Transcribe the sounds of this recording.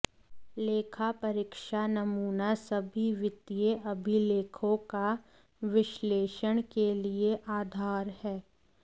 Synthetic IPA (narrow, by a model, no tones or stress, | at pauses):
leːkʰapɐɾɪkʃanɐmuːnasɐbʱiʋɪt̪ijeʔɐbʱileːkʰõka | ʋɪʃleːʃəɽ̃kelieʔaːd̪ʱaːɾhɛː